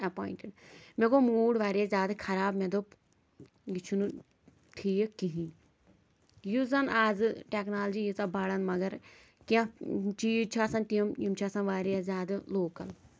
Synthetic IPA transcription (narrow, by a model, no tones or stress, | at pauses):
ɐpoːĩɳʈɪɖmekomuːɖʋaːɾijazʲaːd̪ɨkʰɐɾaːbmed̪op | jit͡ʃʰunu | ʈʰiːkiɦĩ | juzɐnaːzɨʈeknaːlɐd͡ʒijit͡sɐbɐɽɐnmɐɡɐɾ | kiãt͡ʃiːt͡ʃʰaːsɐnt̪iɐmjimt͡ʃʰaːsɐ̃nʋaːɾjazʲaːd̪ɨloːkɐl